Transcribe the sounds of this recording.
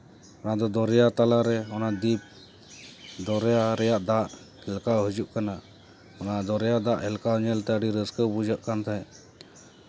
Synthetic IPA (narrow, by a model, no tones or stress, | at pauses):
ɔnad̪ɔd̪ɔɾɛjat̪alaɾɛɔnad̪ip̚ | d̪ɔɾɛjaɾɛjaʔd̪aʔ | hɛlkawɦəd͡ʒuʔkana | ɔnad̪ɔɾɛjad̪aʔɦɛlkaɲɛlt̪ɛəɖiɾəskəwbud͡ʒəʔkant̪ʰaɛ